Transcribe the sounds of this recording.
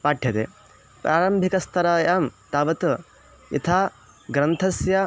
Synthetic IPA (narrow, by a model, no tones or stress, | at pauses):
paːʈʰːjɐt̪ḛː | pɾʔaːɾɐmbʱikɐst̪ʰɐɾaːjaːmt̪aːʋɐt̪ | jɐ̰t̪ʰaː | ɡɾɐnt̪ʰɐsjɐ